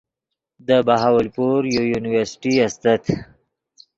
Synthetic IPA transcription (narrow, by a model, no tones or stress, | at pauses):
d̪əbaɦawəlpuɾjujunɪwəɾsɪ̥ʈiast̪at̪